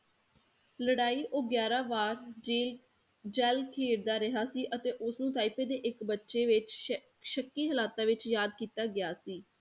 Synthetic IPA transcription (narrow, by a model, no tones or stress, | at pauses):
ləɽaːiːʔoːɡjaːɾãːʋaːɾeː | d͡ʒɛːlkʰeːɽd̪aːɾɪɦaːsiːʔət̪eːʔʊsnũːt̪aːipeːd̪eːʔɪkbətːʃeːʋɪt͡ʃ | ʃəkːiːɦəlaːt̪aːʋɪt͡ʃjaːd̪kiːt̪aːɡɪjaːsiː